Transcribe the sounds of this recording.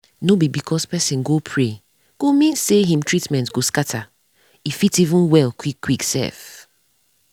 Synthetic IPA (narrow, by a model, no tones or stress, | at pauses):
nobibikʰɔspɛsĩnɡopʰɹe | ɡ̥omĩnseɦĩmtʰɹitmɛ̃ntɡoskatʰa | ifitivũnwɛlˠkʰwikːwiksɛ̰f